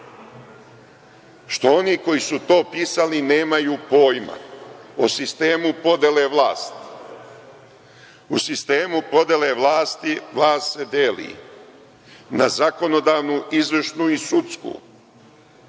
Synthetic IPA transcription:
ʃt̪o̞o̞niko̞jisut̪o̞ːpiːsalineːmajuːpo̞ːjma̰osist̪e̞ːmupo̞d̪eleʋlˠaːst̪ | usist̪eːmupo̞d̪ele̞ʋlˠaːst̪iʋlˠaːst̪sed̪eːlḭ | nazako̞no̞d̪aːʋnuʔizʋrʃnuisut̪skṵː

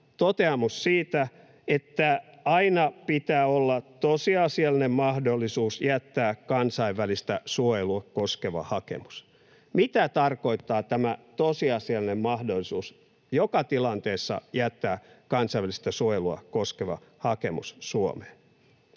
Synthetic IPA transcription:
t̪ot̪eɑmussiːt̪æ | et̪ːæ | ɑinɑpit̪æːolːɑt̪osiɑsiɑlːinemmɑhdolːˑisuːsjæt̪ːæːkɑnsɑiʋːælist̪æsuojeluɑkoskeʋɑ̰hɑkḛmu̥s | mit̪æt̪ɑrkoit̪ːɑːt̪æmæt̪osiɑsiɑlinemmɑhdolːˑisuːs | jokɑt̪ilɑnt̪eːsːɑ̰jæt̪ːæː | kɑnsɑiʋælist̪æsuojeluɑ̰koskeʋɑ̰hɑkemṵssuo̰meːn

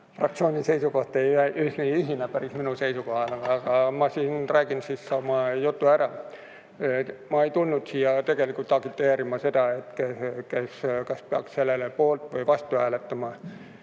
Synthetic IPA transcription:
frɑk̚t̪sioːnʲisejsukoht̪ejeʔyhsniːiɦinæpæɾisminuseijsukohɑleɑkɑmɑsiːnræːɡinsissɑːmɑjut̪ːuæɾɑ | mɑejt̪ulːut̪siːjɑt̪e̞ɡ̥elikult̪ɑɡ̥it̪ːeːɾimɑsed̪ɑet̪kekeskɑspiɑ̰ksselːelepoːlt̪ʋojʋɑst̪ˑuhæːlet̪ːæmɑ

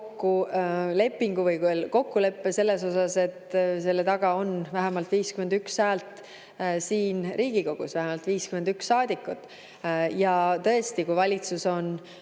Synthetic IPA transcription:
kːule̞pːiŋɡuvɤjkuelko̞kːule̞pːese̞lːe̞so̞sɑse̞t̪se̞lːet̪ɑɡ̥ɑo̞nvæɦemɑlt̪ˑviːskymend̪ykshæːlt̪ | siːnriːɡ̥iko̞ɡ̥ṵsvæɦemɑlt̪viːskyme̞nd̪̥yksːɑːd̪̥ikːˑut̪ːˑ | jɑt̪ɤ̞e̞st̪ikujvɑlʲit̪suso̞n

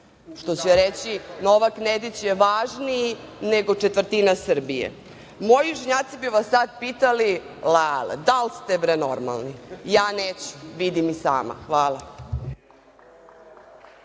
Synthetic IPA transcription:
ʃt̪ot͡ɕɾet͡ɕinoʋakned̪it͡ɕjeʋaːʒniineɡot͡ʂet̪vər̩t̪inasr̩bijḛ | mo̞jiuʃeɲaːt̪sibiuʋasːad̪̚pit̪ali | lalḛd̪alst̪epɾenoɾma̰lˠnijaːneːt͡ɕu̥ʋid̪imisa̰ːma̰xʋaːlˠa

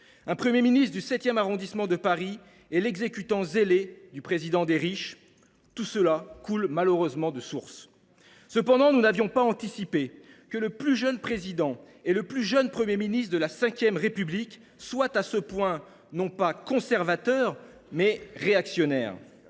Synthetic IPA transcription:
ɛ̃pχəmjeminist̪χd̪ysɛt̪jɛmaʁɔ̃d̪ismɑ̃d̪əpaʁi | ɛlɛɡzekʲyt̪ɑ̃zeled̪ypχezid̪ɑ̃d̪eʁiʃ | t̪usəlakulmaləʁøzmɑ̃d̪əsuʁsː | əpɑ̃d̪ɑ̃nunavjɔ̃paɑ̃t̪isipe | kələplyʒənpχezid̪ɑ̃ | eləplyʒœnpχəmjeminist̪d̪əlasɛ̃kʲjɛmʁepyblik | swat̪asəpwɛ̃ | nɔ̃pakɔ̃sɛʁvat̪œʁ | mɛʁeaksjɔnɛːʁ

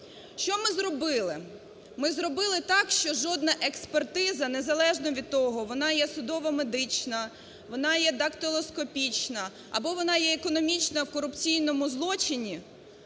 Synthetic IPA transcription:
ʃt͡ʃɔmɪzɾɔbɪlˠɪ | mɪzrɔbɪlˠɪt̪ɑkʃt͡ʃɔʒɔd̪nɐʔekspert̪ɪzɐnezɐlˠɛʒnɔʋʲid̪̚t̪ːɔɦɔʋɔnɑjɛsʊd̪ɔʋɔmed̪ɪt͡ʃnɐ | ʋɔnɑjɛd̪ɐkt̪ɔlˠɔskɔpʲit͡ʃnɐ | ɐ̰bɔʋɔnɑjɛːkɔnɔmʲit͡ʃnɐwkɔɾʊpt͡sʲijnɔmʊzlˠɔt͡ʃɪnʲi

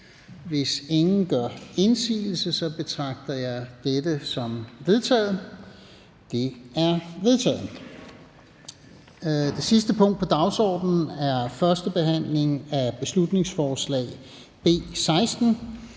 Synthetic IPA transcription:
ʋe̝se̝ŋn̩ɡ̥ɶɐe̝nsḭːl̩səsɒ̽b̥e̝t͡sʰʁɑ̈ɡ̥̚d̥ɐjɑ̈ɪd̥edəsɒ̽mʋe̝ð̞ˠt͡sʰɛ̰ːð̩ˠ | d̥e̝æɐʋe̝ðˠt͡sʰɛ̰ːð̩ | d̥e̝sisd̥əpʰɔ̽ŋ̰d̥pʰɒ̽d̥ɑ̈ʊsɒ̰ːd̥n̩æɐfɶɐsd̥əb̥e̝ɦæn̰le̝ŋæb̥e̝slud̥ne̝ŋsfɒːslɛ̰ːɪ | b̥e̝̰ːsɑ̈ɪsd̥n̩

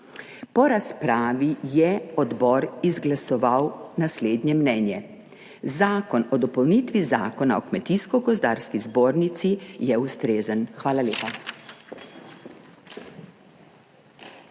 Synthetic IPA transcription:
pɔɾaspɾaːʋijɛɔd̪bɔːɾizɡlasɔʋawnasleːd̪njɛmnɛːnjɛ | zaːkɔnɔd̪ɔpɔwnit̪ʋiza̰ːkɔna̰ɔkmɛt̪iskɔɡɔzd̪aːɾskizboːɾnit̪sijɛust̪ɾeːzənxʋaːlalʲeːpa

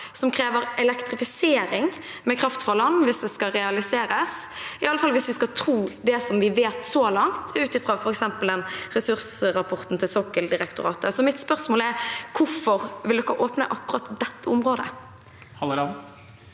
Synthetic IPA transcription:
sɔmkʰɾeːʋəɾɛlɛkt̪ɾɪfɪseːɾɪŋ | mɛkʰɾɑft̪fʁɑlɑnːʋɪsd̪ɛskɑɾɛɑlɪseːɾəs | ɪɑlːəfɑlʋɪsʋɪskɑt̪ʰɾuːd̪ɛsɔmʋɪʋeːt̪sɔlɑŋt̪ʰʉːt̪ɪfʁɑːfɔɾɛksɛmpəld̪ɛnɾɛsʉʁsɾɑpʰɔʁt̪n̩t̪ʰɪlsɔkːəld̪ɪɾɛkt̪ʊɾɑːt̪əsɔmɪt̪spœʁsmoːlɛɾkʰʊɾfɔʁʋɪld̪ɔkːəʔoːpnə̰ʔɑkːʉɾɑt̪d̪ɛt̪ːəʊmʁoːd̪ə̰ | hɑ

